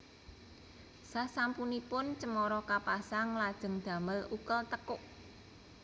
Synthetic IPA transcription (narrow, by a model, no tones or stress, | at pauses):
sasampunipʊnt͡ʃəmɔɾɔkapasaŋlad̥ʒ̥ə̤ŋd̪̥ä̤məlukəlt̪əkʊʔ